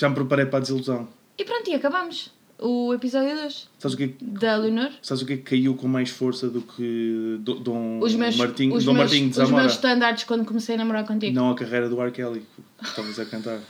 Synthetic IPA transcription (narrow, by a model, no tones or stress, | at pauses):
ʒ̥ampɾɨpɐɾejpɾaðizilˠuzɐ̃w̃ | ipɾõnt̪uiɐkɐβamʊʃ | uepizɔðjuðojʃsaβzukɛkðɐlˠunoɾsaβzukɛkʰːɐiwkõmajʃfoɾsɐðukʰɨd̪od̪ɐ̃uʒmewmɐɾt̪ĩɲud̪õmmɐɾt̪ĩɲd̪zɐmʒmewʃt̪ɐ̃nd̪aɾt̪ʃkwɐ̃nd̪ukumsejɐnɐmuɾaɾkõnt̪̬iɣnɐ̃w̃ɐkɐʁɐjɾɐðuaɾkɛlˠiku | ʃt̪avɐzɐkɐ̃nt̪aɾ